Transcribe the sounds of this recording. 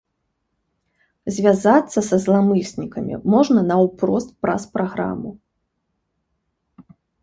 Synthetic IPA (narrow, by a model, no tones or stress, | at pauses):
zʲvʲazat̪sːɐsɐzlˠamɨsʲnʲikɐmʲḭmɔʐnɐnɐwpɾɔst̪̚pɾa̰spɾaɣɾa̰mu